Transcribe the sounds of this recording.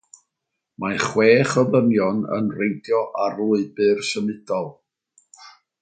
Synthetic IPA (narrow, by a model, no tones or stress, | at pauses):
maχweːχəvənjɔnə̰nrejntʰjɔʔaruɨbɨrsənɨdɔlˠ